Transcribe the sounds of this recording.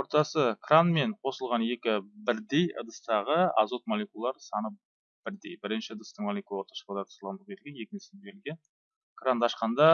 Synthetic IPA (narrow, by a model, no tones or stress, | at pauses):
wo̞ɾt̪ɑsəkranme̞ɴqʰo̞səlˠʁɑnje̞kʲɪbɪɾd̪e̞jə̰d̪əst̪ɑʁəɑ̰zo̞t̪̚molʲekulˠːɑɾsɑnə | b̥ɪɾd̪e̞jbɪɾɪnʃɪəd̪əst̪əɴmolʲˠekulˠwoɾt̪ɑ̥ʃə̥lˠɑd̪ɑt̪ʰʊ̥slˠʁɑnəkʲʰelɡʲenje̞kʲɪnsend̪eɪlɡʲe̞n | krand̪ʰɑʃqɑnd̪ɑ